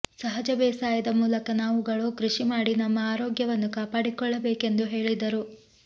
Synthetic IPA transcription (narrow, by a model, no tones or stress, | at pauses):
sɐɦɐd͡ʒɐbɛːsaːjɐd̪ɐmuːlɐkɐnaːʋuɡɐɭuːkɾiʂimaːɽinɐmːɐaːɾoːɡjɐʋɐnːukaːpaːɽikɔɭːɐbeːke̞nd̪uɦe̞ːɭid̪ɐɾu